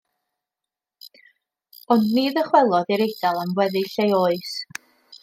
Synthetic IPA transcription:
ɔnːɨðəχwɛlˠɔðiɾejd̥alˠanwɛðɨɬejoːɨs

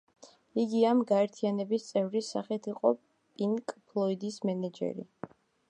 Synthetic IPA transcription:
iɡiamɡaɛɾt̪ʰianɛbist̪sʼɛvɾisaχɛt̪ʰiqʼɔ | pʼiŋkʼpʰlˠɔid̪ismɛnɛd͡ʒɛ̰ɾḭ

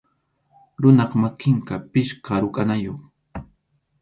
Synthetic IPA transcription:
ɾʊnɑqmakɪŋkapɪʃkaɾʊkʼanajoχ

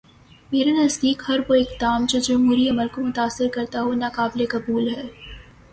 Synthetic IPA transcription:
meːɾenɐzd̪iːkhɐɾʋoɪkd̪aːmd͡ʒod͡ʒɐmɦuːɾiɐməlkomʊt̪aːsːɪɾkɐɾt̪aɦonaːkaːblekɐbuːlɦɛː

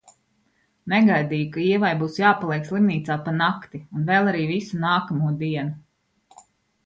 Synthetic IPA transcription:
nɛɡajd̪iːjukaiɛvajbuːsjaːpalˠiɛkslˠimniːt̪saːpanakt̪iunvɛlˠaɾiːvisunaːkamuɔd̪iɛnu

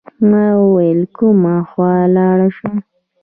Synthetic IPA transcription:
mawwajlkumaxwɑlɑɽaʃu

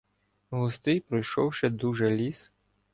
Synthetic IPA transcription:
ɦʊst̪ɪjpɾɔjʃɔwʃɛd̪uʒɛlʲis

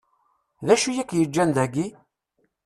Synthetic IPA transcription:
ðæʃujækːjəd͡ʒːænd̪æɡi

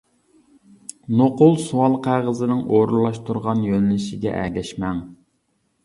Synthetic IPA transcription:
noqʊlˠsuwɑlˠqʰæʁəzɨnɪŋʔoɾulˠːɑʃt̪ʰuɾʁɑnjønlɪʃɪɡʲɛ̰ʔæ̰ɡʲɛʃmɛŋ

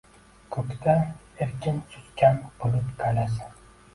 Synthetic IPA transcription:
kʰɵkʲt̪ʰa | eɾkʲʰɪnt͡ʃ̪ʰʊt̪kʲanbolˠɪpkʰalasɪ

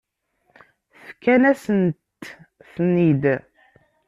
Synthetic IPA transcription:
θə̥fkænæsənt̪θnid̪

